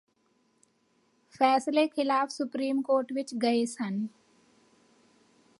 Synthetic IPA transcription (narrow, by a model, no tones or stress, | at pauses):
fɛːslekʰɪlaːfsʊpɾiːmkoːɾʈʋɪt͡ʃɡɐesən